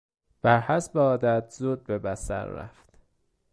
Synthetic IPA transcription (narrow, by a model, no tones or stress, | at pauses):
b̥æɾhæsbeɒːd̪æt̪ʰzud̪̚bebæsæ̰ɾːæ̰ft̪